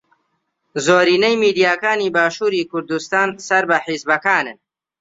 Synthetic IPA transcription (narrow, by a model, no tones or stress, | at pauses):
zoːɾiːnɐjmiːd̪ijaːkaːniːbaːʃuːɾiːkʰʊɾd̪ust̪aːnsɐɾbɐħizbɐkaːnɨn